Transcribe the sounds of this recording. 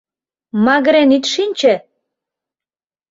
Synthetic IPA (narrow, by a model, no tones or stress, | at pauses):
mɑɣ̆ɾenit̪ʃinʲt͡ɕĕ